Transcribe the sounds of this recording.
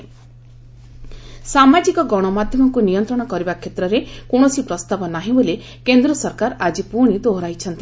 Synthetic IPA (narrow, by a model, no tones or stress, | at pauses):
samad͡ʒikɔɡɔɽ̃ɔmad̪ʱjɔmɔkunijɔnt̪ɾɔɽ̃ɔkɔɾibakʰjet̪ɾɔɾekoɽ̃ɔsipɾɔst̪abɔnaɦĩbole | kend̪ɾɔsɔɾkaɾad͡ʒipuɽ̃id̪oɦɾajt͡ʃʰɔnt̪i